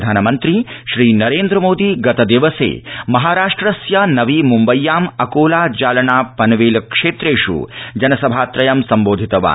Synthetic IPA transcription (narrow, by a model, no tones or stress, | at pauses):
d̪ʱaːnɐmɐnt̪ɾiʃɾiːnɐɾeːnd̪ɾɐmoːd̪iɡɐt̪ɐd̪iʋɐsḛːmɐɦaːɾaːʂʈɾɐsjɐnɐʋimumbɐjːaːmɐkoːlaːd͡ʒaːlɐɳaːpɐnʋeːlkʂeːt̪ɾeːʃṵd͡ʒɐnɐsɐbʱaːt̪ɾɐjɐmsɐmboːd̪ʱit̪ɐʋa̰ː